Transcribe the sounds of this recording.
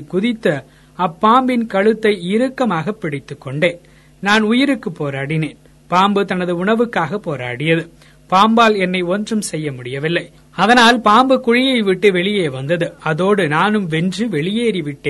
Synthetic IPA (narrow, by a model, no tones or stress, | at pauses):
kʊðɪt̪ːɐ | ɐpːaːmbɪnkɐɻɯt̪ːɐɪɪɾɯkːɐmaːɣɐpːɪɽɪt̪ːɯkːɔɳɖeːn | naːnʊjɪɾɯkːɯpːoːɾaːɽɪneːn | paːmbɯt̪ɐnɐðɯʊɳɐʋɯkːaːɣɐpːoːɾa̰ːɽɪjɐðɯ | paːmbaːlɛnːɐɪɔndrɯmsɛjːɐmʊɽɪjɐʋɪlːɐɪ | ɐðɐnaːlpaːmbɯkʊɻɪjɐɪʋɪʈːɯʋɛɭɪjeːʋɐnd̪ɐðɯɐðoːɽɯnaːnɯmʋɛndrɯʋɛɭɪjeːɾiʋɪʈːeːn